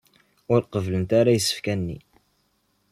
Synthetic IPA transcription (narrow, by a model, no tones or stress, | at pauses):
ʊɾqəvlənt̪aɾæjsːə̥fkænːḭ